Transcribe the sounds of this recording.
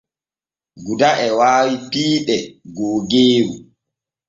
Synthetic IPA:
ɡudaʔɛwaːwipiːɗɛɡoːɡeːwu

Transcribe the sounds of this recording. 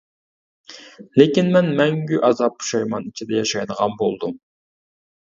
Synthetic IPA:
lekʲinmɛnmɛŋɡʲyʔɑzɑp̚ːu̥ʃɑjmɑnit͡ʃʰid̪ɛjɑʃɑjd̪əʁɑnbolˠd̪um

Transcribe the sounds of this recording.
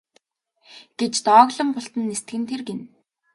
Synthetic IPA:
ɡ̥et͡ɕt̪ɔːɣɮə̆mpʊɬt̪ə̆nːest̪ɘɡɘ̆nt̪ʰerɡen

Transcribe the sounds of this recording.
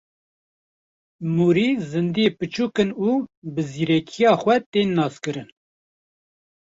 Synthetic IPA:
muːɾiːzɨnd̪ijepɨt͡ʃuːkɨnuːbɨziːɾɛkʰijɑːxʷɛt̪eːnːɑːskɨɾɨn

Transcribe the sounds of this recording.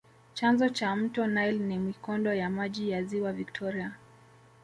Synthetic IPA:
t͡ʃanzɔt͡ʃam̩tɔnajlnimikɔndɔjamaʄijaziwavik̚tʰɔɾia

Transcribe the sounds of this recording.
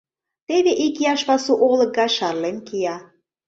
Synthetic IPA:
t̪eβeʔikiɑʃβɑsuʔolɤ̆k̚ɡɑjʃɑrlenkijɑ

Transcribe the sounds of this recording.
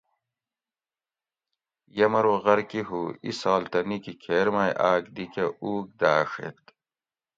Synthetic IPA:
jɐmɐɾoːɣɐɾkiɦuːḭsaːlt̪ɐnikikʰeːɾmaːjʔaːkd̪ikɐʔuːk̚d̪aːʂḛt̪̚

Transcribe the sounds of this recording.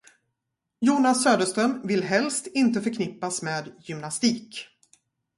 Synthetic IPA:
juːnasːøːd̪əʂst̪ɾœmvɪlɦɛlst̪ɪnt̪əfœɾkʰnɪpːasmeːd̪jʏmnast̪iːk

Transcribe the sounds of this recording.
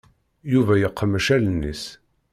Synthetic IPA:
juvæjəqːəmʃælnːḭs

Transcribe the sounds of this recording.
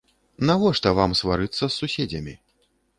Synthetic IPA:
navɔʂt̪ɐvamsvaɾɨt̪sːɐsːusʲed͡zʲɐmʲi

